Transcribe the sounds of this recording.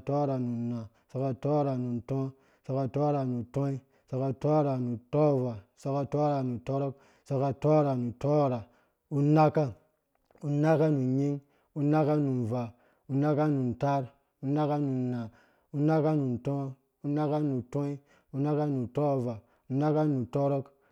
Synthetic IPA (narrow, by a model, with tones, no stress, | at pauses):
to˦ɾa˨nu˨na˨ | so˨ka˨to˦ɾa˨nu˨ntõ˦ | so˨ka˨to˦ɾa˨nu˨tõ˦i˦ | so˨ka˨to˦ɾa˨nu˨to˦˨va˨so˦ka˨to˦ɾa˨nu˨to˦ɾo˦k | so˨ka˨to˦ɾa˨nu˨to˦˨ɾa˨ | u˨na˦ka˦ | u˨na˦ka˦nu˨ɲi˦ŋ | u˨na˦ka˦nu˨nva˨ | u˨na˦ka˦nu˨nta˦ɾ | u˨na˦ka˦nu˨nna˨ | u˨na˦ka˦nu˨ntõ˦ | u˨na˦ka˦nu˨to˦i˦ | u˨na˦ka˦nu˨to˦˨va˨ | u˨na˦ka˦nu˨to˦ɾo˦k